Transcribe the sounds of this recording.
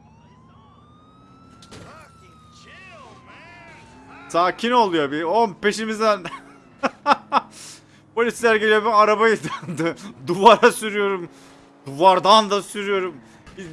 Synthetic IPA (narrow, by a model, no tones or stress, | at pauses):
sʰaːcʰino̞lˠujobionpe̞ʃimizd̪æn | pʰo̞lʲislʲæɾɡelʲijobiaɾabajɯd̪and̪ɯd̪uvaɾasyɾyjo̞ɾum | d̪uvaɾd̪and̪asyɾyjo̞ɾum | bi